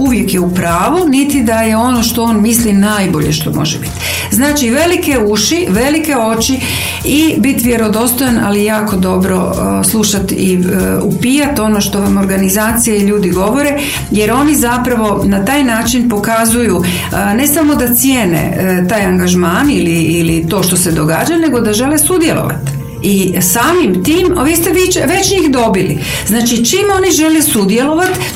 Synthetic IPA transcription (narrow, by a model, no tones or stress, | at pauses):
uʋjekjeupɾaːʋunit̪id̪ajeo̞noʃt̪o̞oːnmislinaːjbo̞ʎḛʃt̪o̞̰mʔo̞̰ʒebi̥t̪ | znaːt͡ʃiʋe̞likeuʃiʋe̞like̞o̞t͡ʃi | ibit̪ʋjeɾo̞d̪o̞st̪ojanʔa̰lijaːko̞d̪o̞bɾo̞̰ | slˠuʃat̪iupiːjat̪o̞noʃt̪o̞ʋamo̞ɾɡanizaːt̪sijaiʎuːd̪iɡo̞ʋo̞ɾe | jeɾo̞nizapɾaʋo̞nat̪aːjnaːt͡ʃinpo̞kazuju | ne̞samo̞d̪at̪sjeːnḛt̪aːjaŋɡaʒmaːniliːlit̪o̞ːʃt̪o̞se̞d̪o̞ɡa̰ːd͡ʒane̞ɡo̞d̪aʒe̞lesud̪je̞̰lˠo̰ʋa̰t̪ | isaːmimt̪iːmʋiːst̪eʋit͡ʃʋe̞t͡ɕɲiːxd̪o̞bilḭ | znaːt͡ʃit͡ʃiːmo̞niʒe̞lesud̪je̞lo̞ʋat̪